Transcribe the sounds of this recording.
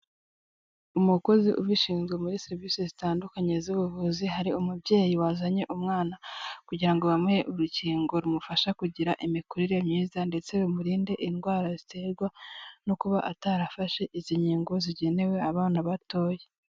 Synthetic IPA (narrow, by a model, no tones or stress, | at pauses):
umuko̞ziʔuβiʃiːnzɡemuɾiseɾiviːsezitaːndukaɲe̞zuβuvuziɦaɾiumubɟe̞ːjiwazaɲe̞ʔumŋaːnakuɟiɾaŋɡoβamŋeʔuɾuciːŋɡo̞ɾumufaʃakuɟiɾaʔimikuɾiɾe̞mɲiːzande̞t͡se̞umuɾiːnde̞ʔinɡwaːɾazite̞ɾɡwanokuβaʔataɾafaʃe̞ʔiziɲiːŋɡo̞ziɟe̞ne̞we̞aβaːnaβato̞ːje